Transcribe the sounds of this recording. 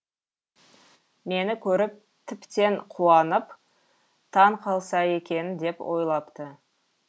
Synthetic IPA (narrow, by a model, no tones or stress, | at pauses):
me̞nɪkʲʰɵɾɪp̚ | t̪ʰɪpt̪e̞ɴqʰuɑnəp | t̪ʰɑɴqʰɑlˠsɑje̞kʲe̞nɪnd̪e̞pwʔo̞̰jlˠɑpt̪ə